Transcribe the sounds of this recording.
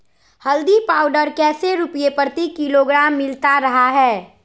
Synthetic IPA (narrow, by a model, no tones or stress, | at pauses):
həld̪ipaːʊɖəɾkɛːseɾʊpijepəɾt̪ikiloɡɾaːmːɪlt̪aɾɐɦaɦɛː